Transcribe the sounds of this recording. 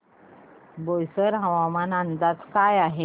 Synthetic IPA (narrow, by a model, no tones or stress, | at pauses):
bojsəɾɦəʋamanənd̪ad͡zkajaɦe